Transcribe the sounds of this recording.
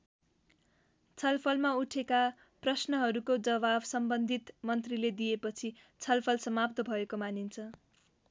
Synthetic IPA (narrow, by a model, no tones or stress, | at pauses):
t͡sʰʌlpʰʌlmauʈʰeka | prʌsnʌɦʌɾukod͡zʌβabsʌmbʌnd̪ʱit̪mʌnt̪riled̪ijepʌt͡sʰi | t͡sʰʌlpʰʌlsʌmab̚t̪ʌbʱʌekomanint͡sʰʌ